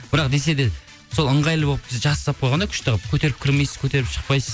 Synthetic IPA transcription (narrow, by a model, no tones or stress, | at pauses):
b̥ɪɾɑqd̪es̬e̞d̪e̞ | so̞lˠəɴʁɑjlˠəboəpbɪzʒɑszɑp̚qʰojˠʁɑnɑkʲʰʏ̥ʃt̪əʁəpkʲʰɵt̪e̞ɾɪp̚kʲʰɪɾme̞jsɪz̥kʲʰɵt̪e̞ɾɪpʃə̥qpɑjsəz